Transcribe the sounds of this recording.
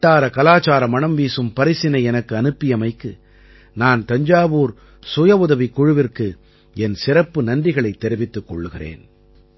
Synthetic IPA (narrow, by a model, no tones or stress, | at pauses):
ʈːaːɾɐkɐlaːt͡ʃaːɾɐmɐɳɐmʋiːsɯmpɐɾɪsɪnɐɪɛnɐkːɯɐnɯpːɪjɐmɐɪkːɯ | naːnt̪ɐɲd͡ʒaːʋuːɾ | sʊjɐʊðɐʋikːʊɻɯʋɪrkɯ | ɛnsɪrɐpːɯnɐnɖɪɣɐɭɐɪt̪ːɛɾɪʋɪt̪ːɯkːɔɭːɯɣɪrḛːn